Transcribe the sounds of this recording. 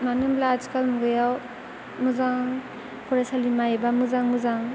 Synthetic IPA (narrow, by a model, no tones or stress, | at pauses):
manɯmlad͡ʒkalmuɡɯjaw | muzaŋ | kʰuɾasalimajbamuzaŋmuzaŋ